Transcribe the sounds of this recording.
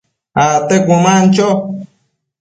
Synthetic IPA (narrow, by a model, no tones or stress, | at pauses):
at̪ekʷũmãnt͡ʃo